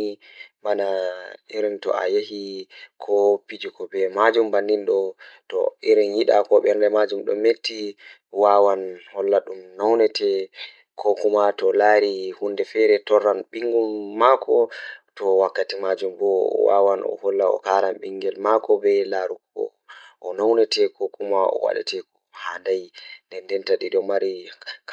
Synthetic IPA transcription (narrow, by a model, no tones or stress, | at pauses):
manaiɾɛntɔ̰a̰jehikʰɔpid͡ʒikɔbɛmad͡ʒumbanːinɗɔtɔ̰iɾɛnjiɗakɔɓɛɾndɛmad͡ʒumɗɔ̰metːi | wawanhɔlːaɗumnawnɛtɛ | kʰɔkumatɔlaːɾihundɛfɛɾɛtɔrːanɓiŋɡumːakʰɔtɔwakːatimad͡ʒumbɔ̰wa̰wanɔ̰hɔlːaɔ̰kaɾamɓiŋɡɛlmakɔbɛlaɾukɔ̰ | ʔɔnawnɛtɛkʰokumaɔ̰wa̰ɗa̰tɛkɔhandajndɛndɛntaɗidɔmaɾik